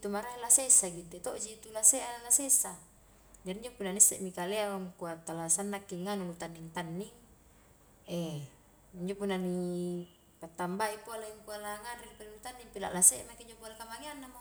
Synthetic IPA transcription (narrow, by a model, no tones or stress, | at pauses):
it̪umaɾaelasesaɡidet̪oʔd͡ʒit̪ulasealasesa | d͡ʒadiɲd͡ʒopunːanisːɛ̰ʔmikaleaaŋkuat̪ːalasanːakːiŋanulut̪anːiŋt̪anːiŋ | ɛ | iɲd͡ʒopunːani | pat̪ːambaipoaleŋkualaŋanrinpalilut̪anːiŋpila̰ʔlasemakiɲd͡ʒopualakamaŋeanːamo